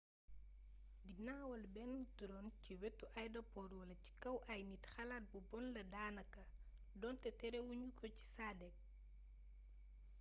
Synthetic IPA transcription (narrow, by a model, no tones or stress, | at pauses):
dinaːwɐlbɛntuɾɔnciwɛtːuʔɐjdɐpɔɾwɐlɐci̥kɐwʔɐjnitxɐlaːt̚bubɔnlɐdaːnɐkːɐ | dɔntɛtɛɾɛwuɲukʰɔci̥saːdɛk̚